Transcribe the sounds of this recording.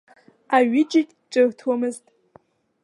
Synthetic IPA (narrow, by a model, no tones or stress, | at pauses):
aɥɪt͡ʃʼɪkʲʼʈ͡ʂʷʼɨrtʰamɨztʼ